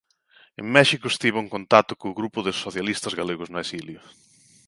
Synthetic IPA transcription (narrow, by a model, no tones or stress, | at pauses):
ḛŋmɛʃikʊest̪iβoʊeŋkont̪at̪ʊkoʊɣɾupʊðɪsoθjalist̪ɐzɣaleɣʊznʊesiljʊ